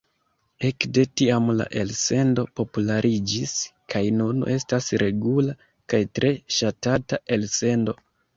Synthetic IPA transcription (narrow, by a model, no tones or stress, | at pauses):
e̞kde̞tiamla̰ʔe̞lse̞ndo̞po̞pulaɾʔid͡ʒiskʰajnunʔe̞stasɾe̞ɡula | kajtɾʔe̞ʃatataʔe̞lse̞ndo̞